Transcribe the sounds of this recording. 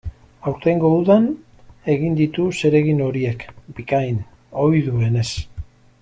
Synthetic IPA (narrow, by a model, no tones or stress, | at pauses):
awɾt̪eŋɡo̞uðan | e̞ɣind̪it̪use̞ɾe̞ɣino̞ɾie̞kbikajn | o̞jðue̞ne̞s